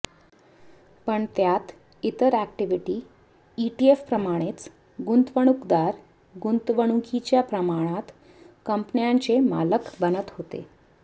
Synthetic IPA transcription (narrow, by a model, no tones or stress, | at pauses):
pəɳt̪jat̪ | it̪əɾæk̚ʈiʋiʈiː | iʈiefpɾəmaɽ̃et͡s | ɡunt̪ʋəɽ̃ukd̪aɾ | ɡunt̪ʋəɽ̃ukit͡ɕjapɾəmaɽ̃at̪ | kəmpnjaɲt͡sema̰ləkbənət̪ɦot̪ḛ